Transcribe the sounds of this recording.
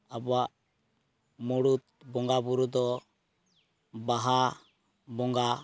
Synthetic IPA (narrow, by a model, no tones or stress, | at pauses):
abɔaʔ | muɽut̪̚ | bɔŋɡabuɾud̪ɔ | baɦa | bɔŋɡa